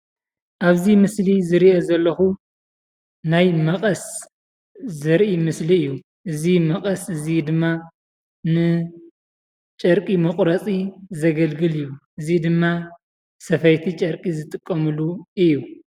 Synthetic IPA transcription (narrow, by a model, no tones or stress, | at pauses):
ʔaβzimɨslizɨɾiʔozɐlːɐxu | najmɐqʼɐs | zɨɾʔimɨsliɨjːu | ʔɨzimɐqʼɐsɨzid̪ɨmːa | nɨ | t͡ʃʼɐɾkʼimɐχʼɾɐt͡sʼizɐɡɐlɡɨlɨjːuʔɨzid̪ɨmːa | sɐfɐjt̪ʰit͡ʃʼɐɾkʼizɨt̪ʼɨkʼːɐmɨluʔɨjːu